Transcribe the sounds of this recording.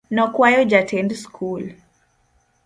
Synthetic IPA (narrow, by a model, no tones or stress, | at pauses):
nɔkwajɔd͡ʒatʰɛndskʰul